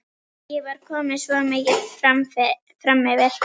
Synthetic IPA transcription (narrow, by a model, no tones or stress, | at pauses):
jɛvaɾ̥kʰɔːmɪðsvɔmɪːcɪ̥fam | fɾamːɛvɪɾ̥